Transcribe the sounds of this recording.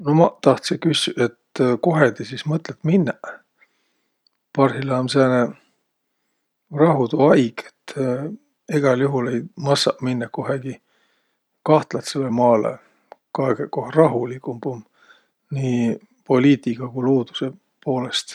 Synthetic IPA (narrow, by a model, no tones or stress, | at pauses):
nomɑt̪ɑht̪sekysʲe̞t̪ko̞ɦe̞t̪isismɤt̪ˑlet̪ːminːeʔ | pɑrhilɑːmsene | rɑɦut̪uɑjɡ̥et̪ː | iɡ̥ɑljuɦule̞jmɑsɑ̰ʔminːɑko̞ɦeɡ̥i | kɑht̪lɑt̪selːemɑːlḛ | kɑeɡekohrɑɦulikːˑumb̥um | niː | po̞lʲiːt̪ʲˑikɑkuluːd̪̥u̥se | po̞ːle̞st̪